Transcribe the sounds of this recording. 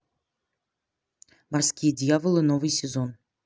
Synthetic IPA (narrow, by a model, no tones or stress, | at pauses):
mɑrskʲijədʲɪjavəlˠɨnovɨjsʲezon